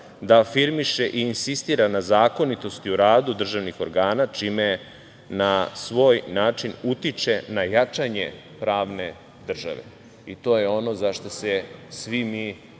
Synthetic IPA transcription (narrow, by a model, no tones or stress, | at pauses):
d̪aːfiɾmiʃe̞ʔiːnsist̪iːɾanazaːko̞nit̪o̞st̪iuɾaːd̪ud̪r̩ʒaʋnixo̞ɾɡaːnat͡ʂiːme | nasʋo̞ːjnaːt͡ʂinut̪it͡ʃe̞najat͡ʂaɲe | pɾaːʋne̞ | d̪r̩ʒa̰ʋḛ | it̪o̞jeo̞no̞zaʃt̪osesʋimi